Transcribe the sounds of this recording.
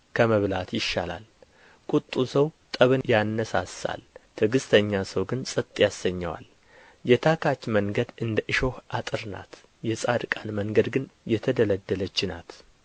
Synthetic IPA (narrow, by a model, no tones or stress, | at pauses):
kʰəməβlat̪jɪʃːala̰l | kʼut̪ʼːusəwt̪ʼəβɨnjanːəsasa̰lt̪ʰɨɡɨst̪ʰəɲːasəwɡɨnsʼɨt̪ʼːjasːəɲːəwa̰l | jɛt̪ʰakʰat͡ʃːməŋɡəd̪ɨnd̪əʔɨʃo̞hʔat̪ʼɨɾna̰t̪ | jɛsʼad̪kʼanməŋɡəd̪ɡɨnjɛt̪ʰəd̪ələd̪ːələt͡ʃːɪna̰t̪